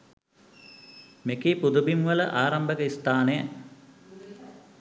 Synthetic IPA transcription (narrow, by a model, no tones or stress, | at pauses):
mekipud̪ubimʋɐləʔaːɾɐmbəkəist̪aːnejə